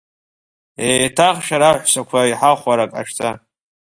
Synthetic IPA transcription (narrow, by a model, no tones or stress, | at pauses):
etʰaχʃᶣaɾaħʷsakʷʰaiħaχʷaɾakʼa̰ʃtʰa